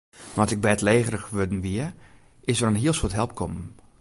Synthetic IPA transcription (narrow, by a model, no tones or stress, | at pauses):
mɔtɪɡ̚bɛtleːɣərəxʋødn̩ʋiə | ɪsərənɦiəlˠsotɦɛlˠp̚kʰɔmən